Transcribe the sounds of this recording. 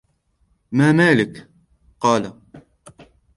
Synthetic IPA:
maːmaːlɪk | qɑːla

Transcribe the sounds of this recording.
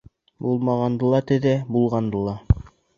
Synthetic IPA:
bulˠmɑʁɑnd̪ɤ̆lˠɑt̪ɘðæbulˠʁɑnd̪ɤ̆lˠɑ

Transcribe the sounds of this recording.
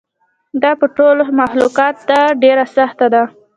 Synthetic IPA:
d̪ɑpəʈolmaxluqɑt̪̚d̪aɖeɾasaxt̪ad̪a

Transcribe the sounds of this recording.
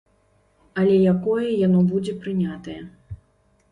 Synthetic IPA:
ɐlʲɛjakɔjɛjanɔbud͡zʲɛpɾɨnʲat̪ɐjɛ

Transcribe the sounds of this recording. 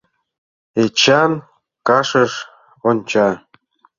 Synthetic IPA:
et͡ɕɑn | kɑʃəʃ | onʲt͡ɕɑ

